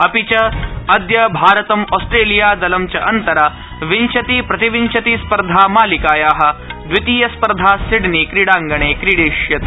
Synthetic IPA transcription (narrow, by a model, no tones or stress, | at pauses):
ɐpit͡ʃɐɐd̪jɐbʱaːɾɐt̪ɐmɔːsʈɾeːlijaːd̪ɐlɐmt͡ʃɐʔɐnt̪ɐɾaː | ʋint͡ʃɐt̪iːpɾɐt̪iʋint͡ʃɐt̪iːspɐɾd̪ʱaːmaːlikaːjaːɦɐ̆d̪ʋit̪iːjɐspɐɾd̪ʱaːsiɽnikɾiɽaːŋɡɐɳ̃eːkɾiɽeːʂjɐt̪